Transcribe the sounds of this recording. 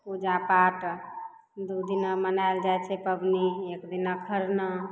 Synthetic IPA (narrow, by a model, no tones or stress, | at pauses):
pud͡ʒãpaʈ | d̪ud̪inamənaeld͡ʒajt͡ʃʰɛpəbniekd̪inakʰəɾnə